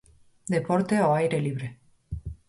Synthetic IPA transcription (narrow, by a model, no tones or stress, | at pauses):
d̪epɔɾt̪eoajɾeliβ̞ɾe